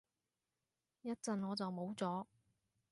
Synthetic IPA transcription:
jɐ˥t̚t͡sɐ˨nŋɔː˨˧t͡sɐ˨wmo˨˥wt͡sɔː˨˥

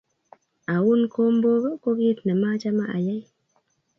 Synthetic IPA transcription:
a˨wu˦nko˦mbo˦ɡo˦ko˦ɡi˦t̪na˨ma˦t͡ʃa˦maʔa˨ja˦j

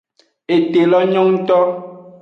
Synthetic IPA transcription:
e˨te˨lɔ˦ɲɔ˦ŋ̩˦tɔ˦

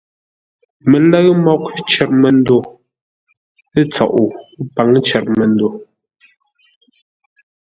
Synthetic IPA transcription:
mɛ˨lə˦ɣmɔ˦k̚t͡ʃɛ˨ɾ̚mɛ˨n˦do˨ | e˦t͡sɔ̰˨ʔu˨˦pa˨˦ŋt͡ʃɛ˨ɾmə˨n˦do˨

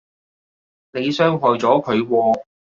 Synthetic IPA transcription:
ne˨˧jsœː˥ŋɦɔː˨jt͡sɔː˨˥kʰɵ˨˧ɥwɔː˧

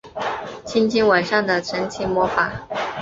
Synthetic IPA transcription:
t͡ɕʰi˥nt͡ɕʰi˥ŋwa˨˩nʂɑ˥˩ŋd̪ə˩ʈ͡ʂʰə˧˥ŋt͡ɕʰi˧˥mwɔ˧˥fa˨˩˦

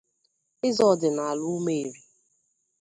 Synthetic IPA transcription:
ɪ˦zɔ˦˨dɪ˨na˨a˨lʊ˦me˦e˨ɾi˨

